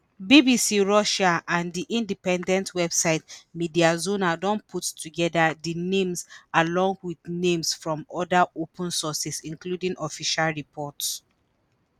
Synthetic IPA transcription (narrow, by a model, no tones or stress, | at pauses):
bibisiɹɔʃaʔãndiʔĩndipɛ̃ndɛ̃ntʰwɛbsaɪtmidiazonadɔ̃npʰutːuɡɛdadinẽmzalɔ̃ŋɡwiðnẽmsfɹɔ̃mɔdaʔopʰə̃nsɔsɛsĩŋkludĩŋɔfiʃalɹipʰɔts